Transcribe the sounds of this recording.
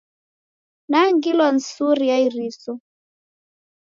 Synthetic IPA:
naŋɡilwan̩suɾijaiɾisɔ

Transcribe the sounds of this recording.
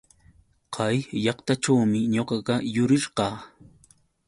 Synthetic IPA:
qʰɑjːɑqt̪aʈ͡ʂawmɪɲoqɑɢɑjʊɾɪɾqɑː

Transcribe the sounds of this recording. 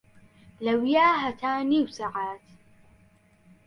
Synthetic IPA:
lɐwijaːɦɐt̪ʰaːniwsɐʕaːt̪

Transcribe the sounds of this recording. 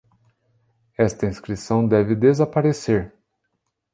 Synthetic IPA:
ɛst̪ɐĩskɾisɐ̃w̃d̪ɛvɪd̪ezapaɾeseɾ

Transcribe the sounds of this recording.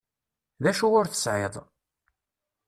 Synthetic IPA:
ðæʃuʊɾθə̥sʕeðˤ

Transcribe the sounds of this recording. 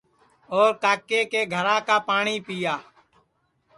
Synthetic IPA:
oːɾkaːkeːkeːɡʱəɾãːkaːpaːɳiːpiːjaː

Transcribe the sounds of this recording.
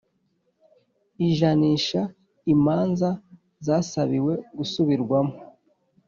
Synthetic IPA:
iʒaniːʃa | imaːnza | zaːsaβiwe̞ɡusuβiɾɡwamo

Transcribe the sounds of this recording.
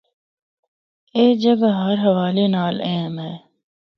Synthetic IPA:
eːd͡ʒəɡaɦɐɾɦɐʋaːlenaːlɛ̃ːmɛː

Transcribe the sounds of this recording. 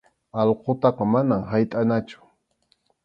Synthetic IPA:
ɑlqot̪ɑqɑmanamɦajt̪ʼanat͡ʃʊ̥

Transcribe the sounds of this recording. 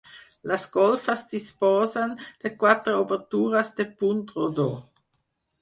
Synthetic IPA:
lasɡolfasd̪ispoːzand̥ekwat̪ɾoobeʁtuːʁasdepuntʁodo

